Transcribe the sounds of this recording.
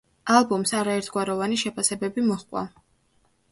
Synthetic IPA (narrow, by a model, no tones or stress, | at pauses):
alˠbumsaɾaɛɾt̪ʰɡ̥waɾɔvaniʃɛpʰasɛbɛbimɔχkʼwa̰